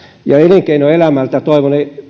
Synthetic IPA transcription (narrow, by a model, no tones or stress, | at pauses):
jɑeleŋkeinoelæmælt̪æt̪oiʋone